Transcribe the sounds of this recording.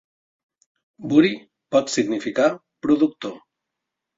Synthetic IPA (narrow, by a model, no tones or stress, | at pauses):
buɾi | pɔt̪siɣnifika | pɾuðuk̚t̪o